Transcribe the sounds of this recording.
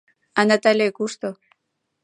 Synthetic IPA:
anat̪alekuʃt̪o

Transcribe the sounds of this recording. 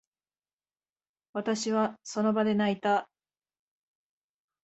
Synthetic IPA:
βat̪aɕiβaso̞no̞bad̪e̞nait̪a

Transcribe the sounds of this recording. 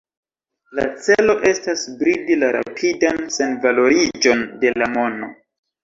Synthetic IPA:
la̰t͡se̞lo̞ʔe̞stasbɾidilaɾa̰pʰidanse̞nvalo̞ɾid͡ʒo̞nde̞lamo̞no̞

